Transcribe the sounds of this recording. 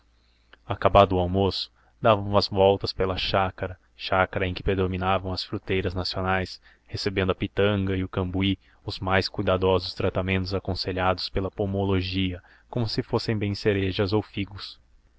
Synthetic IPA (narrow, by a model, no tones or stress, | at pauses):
akabad̪ʊʊawmosʊ̥ | d̪avɐ̃w̃ɐzvɔwt̪ɐspelɐʃakɐɾɐ | ʃakɐɾɐẽj̃kɪ̥pɾed̪ominavɐ̃w̃ɐsfɾut̪ejɾɐznasionajs | hesebẽnd̪ʊɐpit̪ɐ̃ŋɡɐɪʊkɐ̃mbui | ʊzmajskujd̪ad̪ɔzʊst̪ɾat̪amẽnt̪ʊzakõseʎad̪ʊspelɐpomoloʒiɐ | kõmʊsɪfosẽj̃bẽj̃seɾeʒɐzowfiɡʊs